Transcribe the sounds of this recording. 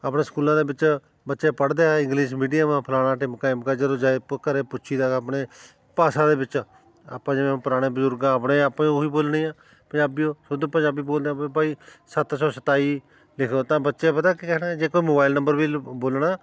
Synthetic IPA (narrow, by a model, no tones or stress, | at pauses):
əpɽeːskuːlãːd̪eːbɪt͡ʃ | bətːʃeːpəɽd̪eːaɪ̃ŋɡliːʃ̬miːɖijaːmãːpʰəlaːɽ̃aːʈɪːmkaːɪmkaːd͡ʒəɾoːd͡ʒaːekəɾeːpʊʃʰiːd̪aːəːpɽeː | paːsãːd̪eːbɪt͡ʃ | a̰pãːd͡ʒẽpəɾaːɽ̃eːbʊzʊɾɡãːəpɽẽːəpãoiːboːlnĩːãː | pə̃d͡ʒaːbiːõːsʊd̪pə̃d͡ʒaːbiːboːld̪eãːẽbaːiːsət̪sɔːsət̪aːiː | lɪkʰd̪oːt̪ãːbətːʃeːpət̪aːkikɛːnaːd͡ʒeːkoːiːmoːbaːɪlnə̃mbəɾbiːboːlɽaː